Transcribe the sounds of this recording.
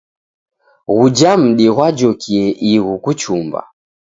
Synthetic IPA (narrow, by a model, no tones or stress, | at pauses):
ɣud͡ʒam̩ɗiɣwad͡ʒɔkiɛʔiɣukut͡ʃumba̰